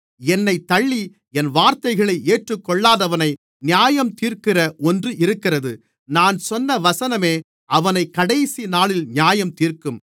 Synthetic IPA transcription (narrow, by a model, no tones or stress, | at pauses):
ɛnːɐɪt̪ɐɭːi | ɛnʋaːɾt̪ɐɪɣɐɭɐɪʔeːʈrɯkːɔɭːaːðɐʋɐnɐɪ | nɪjaːjɐmt̪iːrkɪrɐʔɔndrɯʔɪɾɯkːɪrɐðɯ | naːnsɔnːɐʋɐsɐnɐmeː | ʔɐʋɐnɐɪkːɐɽɐjsinaːɭɪlnjaːjɐmt̪iːrkɯm